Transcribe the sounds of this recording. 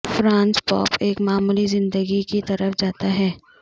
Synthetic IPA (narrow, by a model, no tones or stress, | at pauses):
fɾãːnspɔ̰ːpeːkmaːmuːlizɪ̃nd̪əɡikit̪ɐɾəfd͡ʒaːt̪aɦɛː